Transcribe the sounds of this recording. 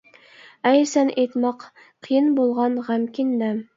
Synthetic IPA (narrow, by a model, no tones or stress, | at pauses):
æjɾsænʔet̪mɑq | qʰːɨjɨnbolˠʁɑnʁæmkʲind̪æ